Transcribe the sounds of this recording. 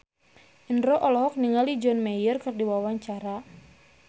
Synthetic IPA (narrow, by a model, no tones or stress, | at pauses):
ʔinɾɔʔɔlɔɦɔk̚niŋalid͡ʒɔnmajərkɨrdiwawaɲt͡ʃaɾa